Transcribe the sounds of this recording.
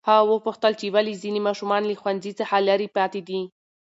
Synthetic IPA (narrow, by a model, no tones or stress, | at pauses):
hɑwəpuxt̪əlt͡ʃewalizinemɑʃumɑnləxwanzit͡saxalaɾipɑt̪ed̪i